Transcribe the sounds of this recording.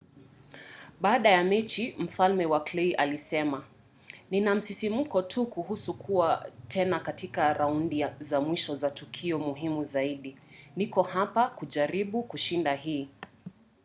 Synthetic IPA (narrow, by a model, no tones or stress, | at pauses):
ɓaːɗajamɛt͡ʃim̩falmɛwakliʔalisɛma | ninam̩sisimm̩kɔtʰukuɦusukʰuwatʰɛnakatikaɾaundizamwiʃɔzatukʰiɔmuɦimuzaiɗinikɔhapakuʄaɾiɓukuʃindaɦiː